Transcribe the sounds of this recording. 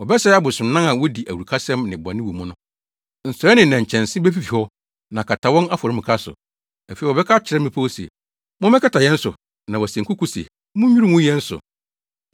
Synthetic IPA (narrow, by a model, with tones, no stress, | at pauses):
wɔ˨bɛ˦sɛ˦a˦bʊ˨sʊ̃˨˦nã˦ã˨wɔ˦di˨ʔæ˨wu˨ɾu˨kʰa˦sɛ̃˦mnɪ̃˨ba˨nɪ̃˦wu˨mʊ̃˦nʊ̃˦ | n̩˨sʊ˨ɾɛ˦nɪ̃˨nã˨ɲ̩˨t͡ɕʰɛ̃˨n˨sɪ̃˦bɛ˦fi˦fi˨hɔ˦ | nã˨kʰa˨tʰa˨wɔ̃˦na˦fɔ˨ɾɪ̃˦m̩ɪ̃˨kʰa˦sʊ̰˨ | æ˨fi˨ɔ˨bɛ˦kʰa˦t͡ɕʰɪ˨ɾɛ˦mɪ̃˦pʰa˦sɛ̰˨ | mʊ̃˦mɛ̃˦kʰa˦tʰa˨jɛ̃˦n̩˦sʊ˨ | nã˨wɔ˨sɛ˨ŋ˨kʰʊ˦ku˦sɛ̰˨ | mʊ̃˦u˦ɾi˦mʊ̃˦jɛ˦n̩˦sʊ̰˨